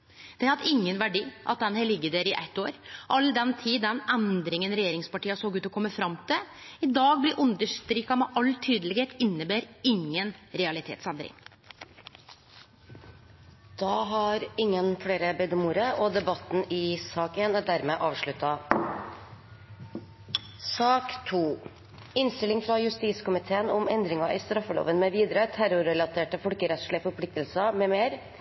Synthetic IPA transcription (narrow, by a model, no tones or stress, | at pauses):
d̪̥ɛhɑt̪ɪŋːənʋæɖiːʔɑ̰t̪̚d̪ɛnheːɭɪɡːəd̪eːɾɪʔæ̰t̪ːoːɾʔɑld̪ɛnt̪ʰiːɛnɛnd̪ɾɪŋənɾɛjeːɾɪŋspɑʈiːɑsoːɡʉːt̪ɔkʰɔmːəfɾɑmːt̪ʰɪlɪd̪ɑːɡ̚blɪɾʔʉnd̪əʂt̪ɾiːkɑmɛʔɑlt̪ʰyːd̪əlɪɡheːt̪ɪnːəbæːɾɪŋːənɾɛɑlɪt̪ʰḛːt̪sɛnd̪ɾɪ̰ŋ | d̪̥ɑːɦɑɾɪŋːənfɽeːɾəbɛd̪əmuːɾəʔɔd̪ɛbɑt̪n̩ɪsɑːkeːnæɖ̪æɾmeːʔɑːʋʂɭʉt̪ːɑ | sɑːkt̪ʰuː | ɪnst̪ɪlɪŋfɾɑjʉst̪iːskʊmɪt̪ʰeːənʊmɛnd̪ɾɪŋɑʔɪst̪ɾɑfːəlo̰ːʋənmɛʋiːd̪ɾət̪ʰæɾʊɾɛlɑt̪ʰeːʈəfɔlkəɾɛt̪ʂɭɪəfɔɾpʰlɪk̚t̪əlsəmɛːmeːɾ